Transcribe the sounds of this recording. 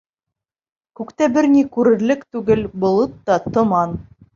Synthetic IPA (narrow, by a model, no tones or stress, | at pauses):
kʉkt̪æbɘɾnikʉɾɘ̆ɾlɘkt̪ʉɡɘlbŏlˠɤt̪ːɑt̪ŏmɑn